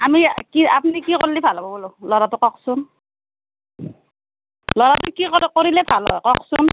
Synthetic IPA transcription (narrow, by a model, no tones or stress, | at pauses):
amikia̰pnikiko̰llːibʱalabɔbulolɔɾatʊkɔksun | lɔɾatʊkiɔkoɹilɛbʱalɔ̰jkɔksun